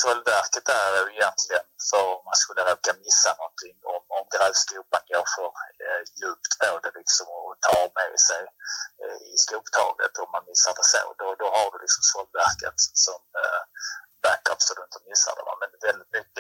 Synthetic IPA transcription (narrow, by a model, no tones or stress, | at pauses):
sɔlvæɾkət̪æɾjʊɪjɛnt̪ʰlɪɡənfœɾɔmanskɵlːəɾɛkamɪsːanɔnt̪ʰɪŋːɔmɔmɡɾɑvskʉːpanjoːfɔɾjʉːp̚t̪pʰoːd̪ɛlɪksɔmɔt̪ʰɑːɾmɛ̰sɛj | ɪskuːkt̪ʰɑ̰ːɡə̰t̪ʰɔmːanmɪsːaɾd̪ɛso̰ːd̪ɔd̪ɔhaɖ̪ɵlɪksɔmsɔlvæɾkə̰t̪sɔm | bækːœ̰psɔd̪ɵɪnt̪əmɪsːa̰d̪ɛ̰vɑ̰mɛnd̪vɛld̪ɪt̪̚mʏkːə